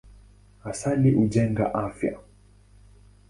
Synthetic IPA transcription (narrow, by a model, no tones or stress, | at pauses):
asaliʔuʄɛŋɡa̰ʔafja̰